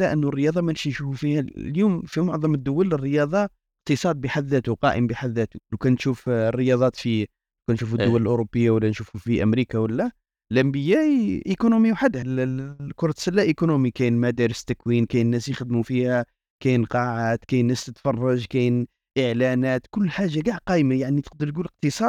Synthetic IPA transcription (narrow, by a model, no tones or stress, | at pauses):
læʔənːurːəjɑd̪ˤɑmænʃinʃufufihæljumfimʊʕðˤɑməd̪ːʊwælərːəjɑd̪ˤɑ | qt̪əsˤɑd̪̚biħad̪ːæt̪uqɑʔəmbiħad̪ːæt̪uluwkænt̪ʃufərːəjɑd̪ˤɑt̪fi | kænʃufəd̪ːʊwːæləlʔʊɾobːəjːawəlːænʃufufiʔəmɾikawəlːæ | lʔæmbəjæʔʔikonumiwħad̪ːhlkʊɾˤɑt̪sælːæʔikonumikæjnmæd̪ɑɾəst̪ækwinkæjnːæsjəxd̪mufihæ | kæjnqɑʕat̪kæjnːæst̪ət̪fɑrˤːɑʒkæjn | ʔəʕlænæt̪kʊlːħaʒːaɡaʕqɑjmajaʕnit̪əq̚d̪əɾt̪ɡuləq̚t̪əsˤɑd̪̚